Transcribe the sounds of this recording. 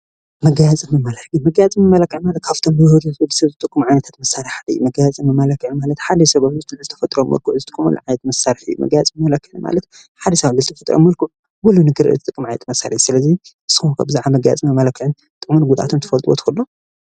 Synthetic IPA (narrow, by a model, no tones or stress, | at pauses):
mɐɡajat͡sʼɨmɨmalɐħimɐɡajat͡sʼɨmɨmɐlɐkːɨʕmalɐt̪̚kʰaft̪ʰombɨjhod̪ud̪ɨsɐβzɨt̪ʼɨkʼːumʕajnɐt̪ʰat̪mɐsːaɾɨħad̪jumɐɡajat͡sʼɨmɨmɐlɐkːɨʕmalɐt̪ħad̪ɐsɐβɐβzɨt̪ɨzɨt̪ʰɐ̥fɐt̪ʼɾomɐ̰lkuʕzɨt̪ʼɨ̥kʼumṵl̰ʕajɛt̪mɐsaɾɨħɨjːṵmʔɐ̰ɡajat͡sʼmɨmɐlɐkːɨʕɨma̰lɐt̪ | ħad̪ɐsaβdɨzɨt̪ʰɐfɐt̪ʼɾo̰mːɐlkuʕ | wulunɨɡɨɾɨ̰ɨt̪ʼɨkʼːɨmʕajɛ̰t̪ʰʼmɐsa̰ɾiħsɨlɐziʔɨsɨkkʰabzaʕamɐɡaja̰t͡sʼɨmɨmɐlɐkːɨʕɨn | t̪ʼɨkʼmunɡud̪ʔa̰t̪ʰomt̪ʰɨfɐlt̪ʼuwo̰t̪ɨ̥xɐlːo